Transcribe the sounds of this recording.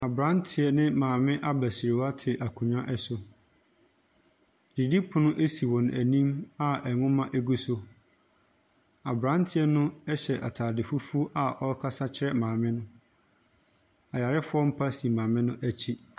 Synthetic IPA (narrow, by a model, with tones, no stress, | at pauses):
a˨bɾã˦ntʰɪ˨ɛ˨nɪ̃˦mãː˨mɪ̃˦ʔa˦bæ˨sɪ˨ɾɪ˨wa˦tʰɪ˨ʔa˨kʰũ˨ɲᶣã˦ʔɛ˨sʊ˨ | di˨di˦pʰʊ˨nʊ̃˦ʔe˦si˨wɔ̃˨næ˨nĩ˦ma˦ʔɛ˨ŋʊ̃˦mã˦ʔe˦ɡu˦so˦ | a˨bɾã˦n˦tʰɪ˦ɛ˦nʊ̃˦ɛ˦ɕɛ˨ʔa˨tʰaː˨dɪ˨fu˦fu˦ʔa˨ʔɔ˦kʰa˦sa˦t͡ɕʰɪ˦ɾɛ˦mãː˨mɪ̃˦nʊ̃˦ | a˨ja˨ɾɪ˦fʊ˦ɔ˦m̩˦pʰa˦si˨mãː˨mɪ̃˦nʊ̃˦ʔæ˦t͡ɕʰi˦